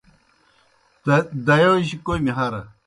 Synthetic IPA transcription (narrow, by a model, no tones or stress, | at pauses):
d̪ɐjowiɕikojmiɦɐɾɐ